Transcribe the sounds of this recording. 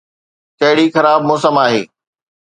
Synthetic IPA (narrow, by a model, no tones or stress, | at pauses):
kɐɦɪɽixɐɾaːbmoːsəmaːɦeː